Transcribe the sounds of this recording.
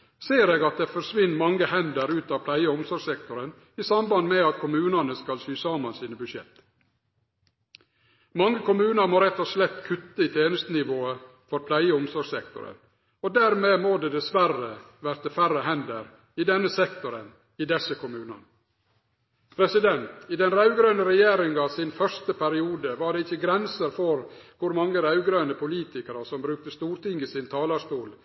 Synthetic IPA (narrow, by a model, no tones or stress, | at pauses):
seːɾeːɡɑt̪̚d̪efɔɾʂʋɪnːmɑŋːəhɛnd̪əɾʉːt̪ɑːpʰlæɪəʊmsɔsɛkt̪ɔɾən | isɑmbɑnd̪meɑt̪̚kʰʊmʉːnɑnəskɑlsyːsɑmɑnsiːnəbʉdʃɛ̰t̪ː | mɑŋːəkʰʊmʉːnəɾmoːɾɛt̪ːɔʂlɛt̪ːkʰʉt̪ːəɪt̪ʰeːnəst̪ənɪʋoːə | fɔɾpʰlæɪəʊmsɔɾɡsɛkt̪ʊ̰ɾə̰n | od̪æːɾmeːmoːd̪eːd̪ɛsʋærə | ʋæɾt̪əfæɾəɦɛnd̪əɾ | ɪd̪ɛnːəsɛkt̪ɔɾən | ɪd̪ɛsːəkʰʊmʉːnɑ̰n | pʰɾɛsɪd̪ɛnt̪ɪd̪ɛnɾɑʉɡɾœnəɾɛjeːɾɪŋɑʋsɪnfœʂt̪əpʰæɾɪuːd̪əʋɑɖɛɪçːəɡɾɛnsəɾfɔɾkʰʊɾmɑŋːəɾɑʉɡɾøːnəpʊliːt̪ɪkəɾəsɔmbɾʉːk̚t̪əst̪uːɾʈ̪ɪŋːɪsɪnt̪ʰɑːlɑʂt̪uːl